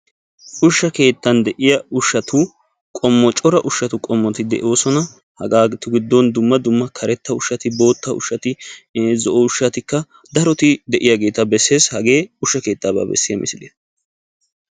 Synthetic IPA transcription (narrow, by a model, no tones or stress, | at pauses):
ʔʊʃːɐke̞ːt̪ːɐnd̪ɛʔɪjɐʊʃːɐt̪ʊ | kʼɔmːɔt͡ʃʼɔɾɐʔʊʃːɐt̪ʊkʼɔmːɔt̪ɪd̪ɛ̰ʔo̞ːsɔnɐ | hɐɡaːɡt̪ʊɡɪd̪ːɔnd̪ʊmːɐd̪ʊmːɐkʰɐɾɛt̪ːɐʊʃːɐt̪ɪbo̞ːt̪ːɐʊ̰ʃːɐt̪ɪzɔʔɔʊʃːɐt̪ɪkːɐ | d̪ɐɾɔt̪ɪd̪ɛʔɪjaɡe̞ːt̪ɐbɛsːe̞ːshɐɡe̞ːʊʃːɐke̞ːt̪ːaːba̰ːbɛ̰sːɪjɐmʔɪsɪd̪e